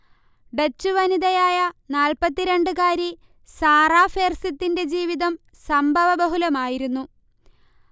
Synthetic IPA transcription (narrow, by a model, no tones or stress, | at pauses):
ɖet͡ɕːuʋɐniðɐjaːjɐnaːlpɐt̪ːiɾe̞ɳɖɨkaːɾi | saːraːfeːrsit̪ːinde̞d͡ʑiːʋiðɐm | sɐmbʱɐʋɐbɐɦulɐmaːjiɾunːu